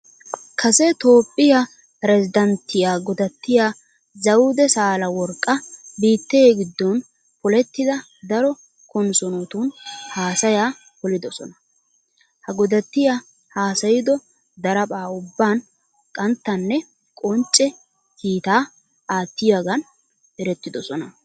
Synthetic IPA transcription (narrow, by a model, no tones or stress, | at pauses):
kʰɐsɛt̪o̞ːpʼːɪja | pɾɛzɪd̪ɐnt̪ːɪjaːɡɔd̪ɐt̪ːɪjaː | zɐwud̪ɛsaːlɐwɔɾkʼːɐbiːt̪ːɛjeːɡɪd̪ːɔn | pʊlɛt̪ːɪd̪ɐ | d̪ɐɾɔ | kɔnsɔnot̪uːnhaːsɐjaː | kɔlɪd̪ɔsɔnɐ̥ | hɐɡɔd̪ɐt̪ːɪjaː | haːsɐjɪd̪ɔ | d̪ɐɾɐpʼaːʊbːaːn | kʼɐnt̪ːɐnːɛ | kʼɔnt͡ʃʼːɛ | kiːt̪aː | aːt̪ːɪjaɡɐn | ɛɾɛt̪ːɪd̪ɔsɔnɐ